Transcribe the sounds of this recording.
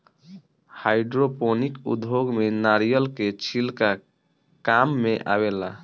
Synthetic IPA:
hajɖɾoponikṵd̪boɡmenaɾijəlket͡ʃʰilka | kamːeʔa̰bela

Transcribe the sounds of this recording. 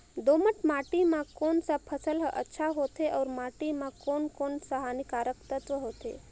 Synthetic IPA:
d̪oːməʈmaːʈimãkoːnsapʰəsəlɦʔə̰tːʃʰaɦot̪ʰeʔɔːɾmaːʈimãkoːnkoːnsaɦaːnikaːɾəkt̪ət̪ʋəɦoːt̪ʰḛ

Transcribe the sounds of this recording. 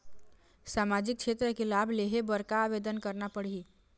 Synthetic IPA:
saːmad͡ʒik̚t͡ʃʰet̪ɾəkelabʱleɦebəɾkaːʋed̪ənkəɾnapəɽi

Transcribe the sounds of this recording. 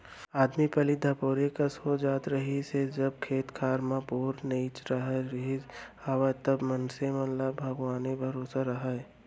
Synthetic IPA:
aːd̪mipɐlid̪ʱapoːɾekasod͡ʒaːt̪ɾɐɦised͡ʒɐb̚kʰeːt̪kʰaːɾmãpuːɾneiːt͡ʃɾɐɦaɾɦid͡ʒaʋat̪ɐbmɐnsemɐnlabʱɐɡʋaːnebʱɐɾoːsaɾɐɦa

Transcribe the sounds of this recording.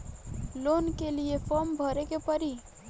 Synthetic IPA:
lonkeliepʰɔmbʱəɾekepəɾi

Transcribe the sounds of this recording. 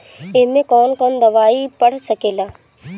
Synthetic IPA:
ɪɦmẽkɔːnkənd̪ɐʋaːipəɽ̤səkeːlaː

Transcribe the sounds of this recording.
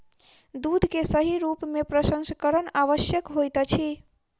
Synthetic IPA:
d̪ud̪ʱkesəɦiɾupmepɾəsə̃nsəkəɾənaʋəsjəkɦojt̪ət͡ʃʰi

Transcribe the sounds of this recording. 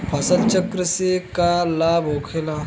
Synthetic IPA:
pʰɐsəlt͡ʃəkɾəsekalabokʰela

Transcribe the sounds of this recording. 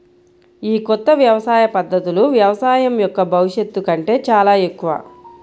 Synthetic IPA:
iːkɔt̪ːɐʋjɐʋɐsaːjɐpɐd̪ːɐt̪uluʋjɐʋɐsaːjɐmjɔkːɐbʱɐʋuʂje̞t̪ːukɐɳʈe̞ːt͡ʃaːlaːe̞kːuʋa̰ː

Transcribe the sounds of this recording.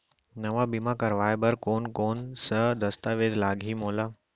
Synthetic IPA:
nɐʋabimãkɐɾʋaːebɐɾkoːnkoːnsəd̪ɐst̪aʋeːd̪laːɡʱimoːlaː

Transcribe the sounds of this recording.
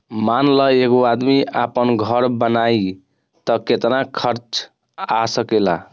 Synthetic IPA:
manləeɡoad̪miapənɡʱəɾbənai | t̪ɔket̪nakʰəɾt͡ʃ | asəkɛla̰

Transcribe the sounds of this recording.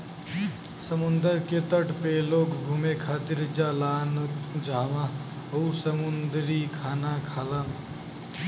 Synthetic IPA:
səmund̪əɾket̪əʈpelokɡʱumekʰaːt̪iɾd͡ʒalaːnd͡ʒʱaːma | əusəmund̪ɾikʰaːnakʰalan

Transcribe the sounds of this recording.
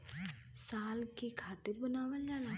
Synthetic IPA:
saːlkikʰaːt̪ɪɾbənaːwəld͡ʒaːla

